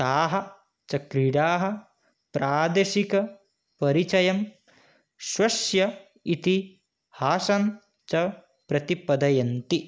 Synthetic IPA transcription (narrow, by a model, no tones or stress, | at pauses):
t̪aːɦɐ̆ | t͡ʃɐkɾiɽaːɦɐ̆ | pɾʔaːd̪ɐʃikɐ | pɐɾit͡ʃɐjɐm | ʃwɐʃjɐ | it̪i | haːsɐn | t͡ʃɐ | pɾɐt̪ipɐd̪ɐjɐnt̪i